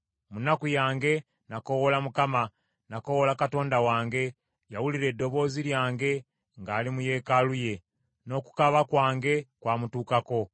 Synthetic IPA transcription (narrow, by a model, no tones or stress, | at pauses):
munakujaːŋɡe̞ | nako̞wolamukama | nakowolakato̞ːndawaːŋɡe̞ | jawuliɾe̞dːo̞βo̞ːziljaːŋɡe̞ | ŋɡaːlimuje̞kaluje̞ | no̞ku̥kaβakwaːŋɡe̞kwaːmutuːkako̞